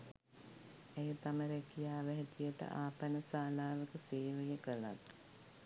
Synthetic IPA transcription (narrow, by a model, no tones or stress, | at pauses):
ejət̪aməɾekijaːʋeɦet̪ijəʈə̰ʔaːpənəsaːlaːʋəkəseːʋəjəkəla̰t̪